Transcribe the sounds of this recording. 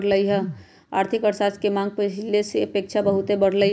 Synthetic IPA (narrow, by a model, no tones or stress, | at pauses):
ɽləiɦɛ | a̰ɾt̪ʰikəɾsaskemãŋɡ̚pət͡ʃlesepeːk̚t͡ʃʰabəɦut̪ebəɽ̤lə